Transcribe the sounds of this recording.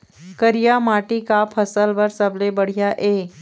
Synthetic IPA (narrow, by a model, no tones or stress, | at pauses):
kəɾijamaʈikapʰəsəlʋəɾsəblebəɽ̤ijaʔe